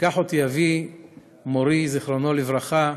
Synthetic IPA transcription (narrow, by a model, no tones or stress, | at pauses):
kaħot̪ijavi | moɾiziχʁonolivʁaχa